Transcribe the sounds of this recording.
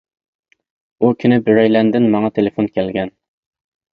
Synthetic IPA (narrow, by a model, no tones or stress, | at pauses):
ukʲʰynɪbyɾɛjlɛnd̪ɪnmɑŋɑt̪ʰelefonkʲʰɛlɡʲɛn